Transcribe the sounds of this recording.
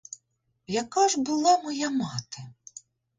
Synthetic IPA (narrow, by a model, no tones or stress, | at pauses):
jɐkɑʒbʊlˠɑmɔjamɑt̪ɐ